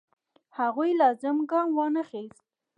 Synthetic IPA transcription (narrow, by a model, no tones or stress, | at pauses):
haɣujlɑzɪmɡɑmwɑnəxest̪̚